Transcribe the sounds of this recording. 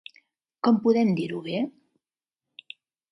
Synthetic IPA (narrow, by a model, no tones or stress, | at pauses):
kɔmpuðɛmd̪iɾuβe